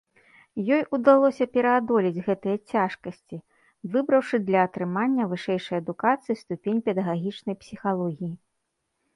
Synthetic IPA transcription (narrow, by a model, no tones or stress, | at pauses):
jɔjud̪alˠɔsʲɐpʲɛɾɐad̪ɔlʲid͡zʲɣɛt̪ɨjɐt͡sʲaʂkɐsʲt͡sʲi | vɨbɾɐwʂɨd̪lʲɐːt̪ɾɨmanʲːɐvɨʂɛjʂɐjɐd̪ukat̪sɨist̪upʲenʲpʲɛd̪ɐɣaɣʲit͡ʂnɐjpsʲixalˠɔɣʲiji